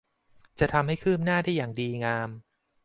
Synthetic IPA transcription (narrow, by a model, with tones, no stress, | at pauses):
t͡ɕa˨˩t̪ʰa˧mha˥˩jkʰɯː˥˩m̚naː˥˩da˥˩jaː˨˩ŋdiː˧ŋaː˧m